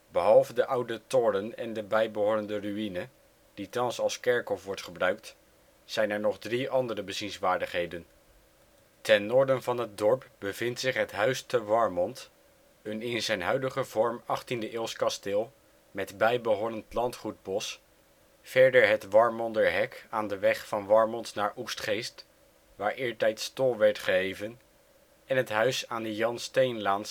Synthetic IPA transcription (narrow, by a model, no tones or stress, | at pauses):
bəɦɑlˠvədəʔʌwdətɔrənɛ̰ndəbɛjbəɦʊːrəndəryinə | d̥itɑnsɑlˠskɛɹkɦɔfʋɔɹtχəbrœɥk̚t | sɛjnɛɹnɔχdriʔɑndərəbəzinsʋaːɹdəχɦejdən | tɛnːɔːɹdənvɑnɦət̚dɔɹpbəv̥ɪntsɪχɦətɦœɥstəʋɑɹmɔnt | ənɪnzɛjnɦœɥdəχəvɔɹmɑχtindəʔɪːlˠskɑstɪːlˠ | mɛtbɛjbəɦɔnəntlɑntχud̚bɔs | fɛɹdəɹɦətʋɑɹmɔndəɦɛkaːndəʋɛχfɑnʋɑɹmɔntnaːɹʔustχejst | ʋaːɹʔɪːɹtɛjtstolˠʋɛɹtχəɦejvən | ɛnɦətɦœɥsaːndəjɑnstejnlaːns